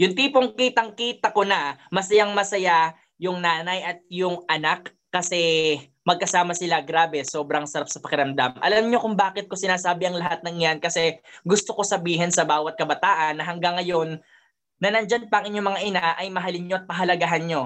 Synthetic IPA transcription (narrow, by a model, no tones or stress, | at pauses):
jʊŋt̪iːpoŋkiːt̪ɐŋkiːt̪ɐkonɐmɐsɐjaŋmɐsɐja | jʊŋnaːnɐjʔɐt̪̚jʊŋɐnakː | ɐsɛ | mɐɡ̚kɐsaːmɐsɪlaɡɾaːbɛso̞ːbɾɐŋsɐɾap̚sɐpɐkɪɾɐmd̪amʔɐ̰lamɲo̞kʊŋbaːkɪt̪̚kʊsɪnaːsaːbɪɐŋlɐɦat̪̚nɐŋjankɐsɛɡʊst̪o̞ko̞sɐbiːɦɛnsɐbaːwɐt̪̚kɐbɐt̪aːʔɐnːɐɦɐŋɡaŋːɐjo̞nː | ɐnɐnd͡ʒanpɐʔɐŋʔɪɲo̞mɐŋaʔɪnaʔɐjmɐɦalɪɲɲoʔɐt̪̚pɐɦɐlɐɡaɦanɲo̞